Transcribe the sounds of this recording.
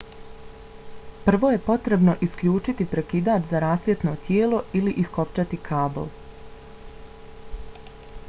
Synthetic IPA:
pr̩ʋo̞ːje̞po̞t̪ɾe̞bno̞ʔiskʎʲuːt͡ʃit̪ipɾe̞kid̪aːt͡ʃzaɾaːsʋje̞t̪no̞t̪jeːlo̞iliʔisko̞pt͡ʃat̪ikʰaːbo̰lˠ

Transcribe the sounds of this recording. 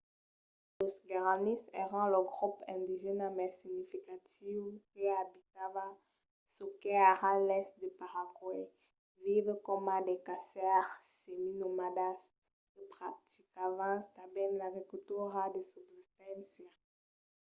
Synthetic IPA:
losɡaʁanisɛʁɑ̃ləɡʁupɛ̃d̪iʒɛnamɛsiɡnifikat̪ivkəabit̪ava | sokeaʁalɛstd̪əpaʁakwe | vivkɔmad̪ekasɛʁseminomadas | kəpχat̪ikavãst̪abɛnlaɡʁikylt̪uʁad̪esubzist̪ɛ̃nsja

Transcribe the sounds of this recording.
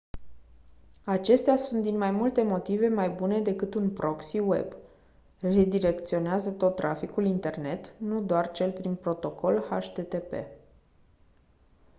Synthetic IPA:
at͡ʃe̞st̪easunt̪̚d̪inmajmult̪e̞mo̞t̪ive̞majbune̞d̪e̞kɨt̪unpɾʔo̞ksiwe̞̰b | red̪iɾe̞kt̪sio̞neazət̪o̞t̪ːɾʔa̰fikulint̪e̞rne̞t̪nud̪oart͡ʃe̞lpɾinpɾo̞t̪o̞ko̞lha̰ʃt̪e̞t̪e̞pe̞̰

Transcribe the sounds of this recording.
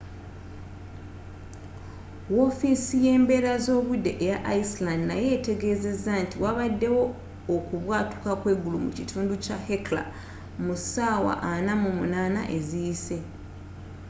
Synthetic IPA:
wo̞fisije̞ːmbe̞ːɾazo̞ːβudːe̞ʔːjaʔaislandinaje̞ːte̞ɡe̞ːze̞zːantiwaβadːe̞wo̞ː | kuβwaːtu̥kakwe̞ɡulumṵcitʰuːnducahekla̰ | musaːwa̰ʔanamumunaːna̰ʔe̞zijise̞

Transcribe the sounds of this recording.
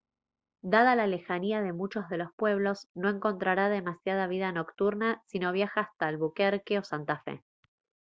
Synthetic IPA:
d̪að̞alale̞xaniaðe̞mut͡ʃo̞zðe̞lo̞spwe̞β̞lo̞sno̞e̞ŋko̞nt̪ɾaɾaðe̞masjað̞aβ̞iðano̞kt̪uɾnasino̞β̞jaxaːst̪alβukeɾkeo̞sant̪afḛ

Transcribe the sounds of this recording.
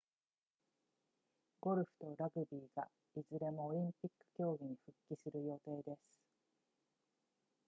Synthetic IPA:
ɡ̥o̞ɾɯ̟ɸɯ̟̥t̪o̞ɾaɡɯ̟bʲiːɡa | izɨɾe̞mo̞ːɾʲĩmpʲikːɯ̥kʲo̞ːɡʲiɲ̟iɸɯ̟kʲːisɨɾɯ̟jo̞t̪e̞ːd̪e̞sɨ̥

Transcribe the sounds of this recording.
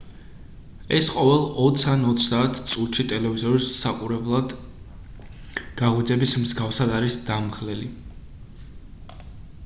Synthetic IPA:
ɛsqʼɔvɛlˠɔt̪sʰanɔt̪sʰd̪aːt̪ʰt̪sʼut̪ʃit̪ʼɛlɛvizɔɾisaqʼuɾɛblˠad̪ | ɡ̥aʁwid̪zɛbismzɡafsad̪aɾisd̪̥amʁlɛli

